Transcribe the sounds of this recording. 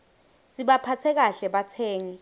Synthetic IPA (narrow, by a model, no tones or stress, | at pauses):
siɓapʰat͡sʰɛk̬aɬɛɓatʰɛːŋi